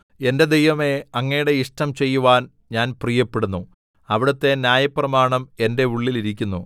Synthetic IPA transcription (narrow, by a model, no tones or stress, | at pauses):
e̞nde̞d̪ejʋɐme̞ɐŋːɐejuɽe̞iʂʈɐmt͡ɕe̞jːuʋaːn | ɲaːnprijɐpːeɽunːu | ɐʋiɽɐt̪ːe̞njaːjɐprɐmaːɳɐme̞nde̞uɭːiliɾikʲːunːṵ